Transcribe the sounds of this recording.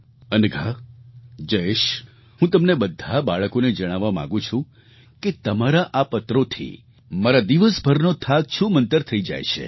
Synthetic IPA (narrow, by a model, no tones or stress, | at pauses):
ənɡʱa | d͡ʒəeʃ | ɦũt̪əmnebəd̪ʱabaɭəkoned͡ʒəɽ̃aʋamã̰ɡũt͡ʃʰũ | ket̪əmaɾaʔapət̪ɾot̪ʰḭ | maɾad̪iʋəsbʱəɾnot̪ʰaɡʃũmənt̪əɾt̪ʰəid͡ʒa̰jʃʰḛ